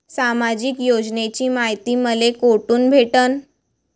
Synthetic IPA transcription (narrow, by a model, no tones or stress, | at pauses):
samad͡ʑikjod͡ʑnet͡ɕiːmaɦjt̪iːməlekoʈuːnbʱeʈən